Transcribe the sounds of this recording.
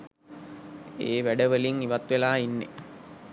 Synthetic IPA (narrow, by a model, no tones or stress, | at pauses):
ḛːʋæɖəʋəliŋiʋat̪ʋelaːinːḛ